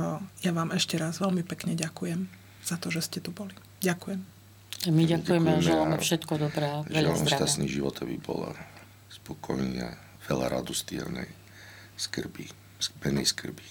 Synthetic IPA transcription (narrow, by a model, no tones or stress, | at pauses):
jaʋaːmɛʃcɛɾazʋɛlmipɛkɲɛɟakujɛm | z̥at̪ɔʒɛscɛt̪ubɔli | ɟakujɛm | amiɟakujɛmɛamɛlamɛffʃɛt̪kɔd̪ɔbɾɛʒɛɛlnɔʃt̪assniʒiʋɔt̪ʰabḭbɔ̰la̰ | spɔkʰɔjɛɲɪa̰ | ʋɛla̰ɾa̰d̪ust̪ɪɛ̰ɾnɛj | skr̩bi | bɛnɛjskr̩bi